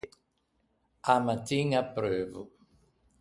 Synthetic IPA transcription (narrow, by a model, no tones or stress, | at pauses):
amat̪iŋapɾøvu